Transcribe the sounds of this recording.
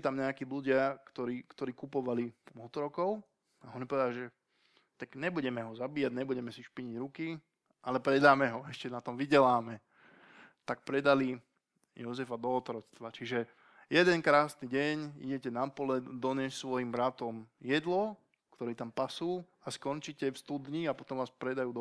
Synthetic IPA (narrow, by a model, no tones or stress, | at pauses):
t̪amɲɛakiːluɟɪakt̪ɔɾiːkt̪ɔɾiːkupɔʋalimɔt̪ɾɔkɔʊ | aɔnipɔʋɛd̪alʒɛ | t̪akɲɛbuɟɛmɛɦɔzabiːjaɟɲɛbuɟɛmɛsiʃpiɲiɟɾuki | ʔalɛpɾɛd̪aːmɛɦɔɛʃcɛnat̪ɔmʋiɟɛlaːmɛ | t̪ak̚pɾɛd̪ali | jɔzɛfad̪ɔːt̪ɾɔt͡st̪ʋat͡ʃiʒɛ | jɛd̪ɛnkɾaːsniɟɛɲḭɟɛcɛnapɔlɛd̪ɔɲɛssʋɔjimbɾat̪ɔmjɛd̪lɔ | kt̪ɔɾɛːt̪ampasuː | askɔnt͡ʃicɛfst̪ud̪ɲiapɔt̪ɔmʋaːspɾɛd̪ajuːd̪